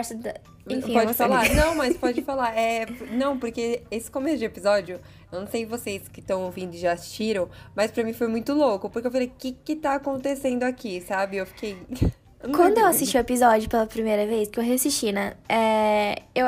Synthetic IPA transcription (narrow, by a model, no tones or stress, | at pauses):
ɛɾsd̪ | ẽĩpɔd͡ʒfalaɾnɐ̃w̃mɐspɔd͡ʒɪfalaɾɛnɐ̃w̃poɾkeesɪ̥kõmesʊd͡ʒɪepizɔd͡ʒjʊ | ewnɐ̃w̃sejvoseskɪt̪ɐ̃w̃owvĩnd̪ʊɪʒaːsi̥ʃt͡ʃiɾɐ̃w̃mɐspɾɐmĩfojmũj̃t̪ʊlokʊpoɾkewfalejʊkɪkɪt̪aːkõnt̪esẽnd̪ʊakisabɪewfi̥kʰej | kwɐ̃nd̪ʊewasist͡ʃiuepizɔd͡ʒɪʊpelɐpɾimejɾɐvejskɪewɦeasist͡ʃinɛ̃ɛ | e